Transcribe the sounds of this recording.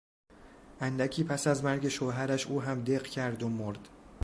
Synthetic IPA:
ʔænd̪æcʰiːpʰæsæzmæɾɟe̞ʃoɦæɾæʃʔuːɦæmd̪e̞ɢcʰæɾd̪omoɾd̪̥

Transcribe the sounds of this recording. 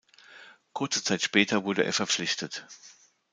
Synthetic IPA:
kʰʊɐt͡sət͡saɪtʃpɛːtʰɐvʊɐdəʔḛːɐfɛɐp͡flɪçtʰət

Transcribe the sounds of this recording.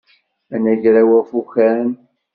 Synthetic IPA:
ænæʝɾæwæfuçæn

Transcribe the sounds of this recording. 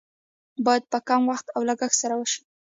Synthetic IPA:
bɑjad̪̚pəkamwaxt̪awlaɡaxsaɾawəʃi̥

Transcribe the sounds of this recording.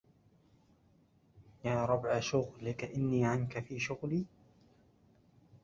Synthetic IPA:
jaːɾˤɑbʕaʃʊɣlɪkaʔɪnːiːʕankafiːʃʊɣliː

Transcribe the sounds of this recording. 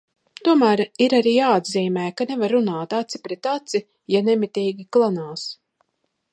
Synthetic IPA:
t̪uɔmæːɾiɾaɾiːjaːad̪ziːmɛːkanevaɾːunaːt̪at̪si̥pɾɛt̪at̪si | janɛmit̪iːɡʲiklˠanaːs

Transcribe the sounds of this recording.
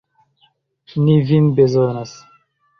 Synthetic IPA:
nivinbezonas

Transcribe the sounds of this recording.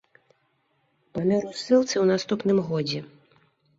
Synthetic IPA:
pamʲɛɾusɨlˠt̪sɨwnast̪upnɨmɣɔd͡zʲɛ

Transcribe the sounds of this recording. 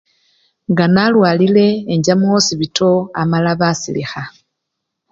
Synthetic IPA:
ŋɡanalwaːlile̞ːɲɟamosiβitʰo̞amalaβasḭlḭxa

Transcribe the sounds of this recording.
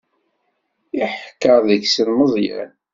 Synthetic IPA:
iħkːəɾˤðəçsənməzˤjæ̰n

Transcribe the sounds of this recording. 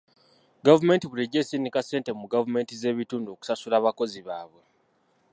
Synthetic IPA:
ɡavume̞ːntiβuɾeɟeːsinikase̞ːntemuɡavume̞ːntize̞ːβituːnduoku̥sasulaːβako̞ziβaːβwe̞

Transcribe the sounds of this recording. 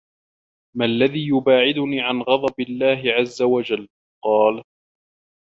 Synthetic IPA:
malːaðiːjʊbaːʕɪd̪ʊniːʕanɣɑd̪ˤɑbɪlːaːɦɪʕazːawad͡ʒalː | qɑːl

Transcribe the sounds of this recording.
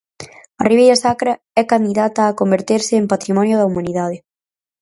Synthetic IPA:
ɐriβejɾɐsakɾɐ | ɛkand̪iðat̪ɐːkombeɾt̪eɾsɪːmpat̪ɾimɔnjʊð̞ɐumãniðað̞ɪ

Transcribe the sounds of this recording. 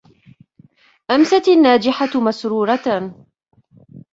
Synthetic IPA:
ʔamsat̪anːaːd͡ʒɪħamasɾuːɾˤɑ

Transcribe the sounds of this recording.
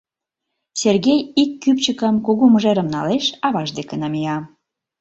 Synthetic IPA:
sʲerɣejikːypt͡ɕəkəmkuɣuməʒeɾə̆mnɑ̰leʃɑβɑʒd̪ekenɑmijɑ

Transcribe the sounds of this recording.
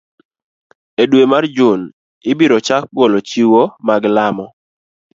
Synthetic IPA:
edwemard͡ʒʊn | ɪbiɾɔt͡ʃak̚polot͡ʃiwomaɡlamɔ

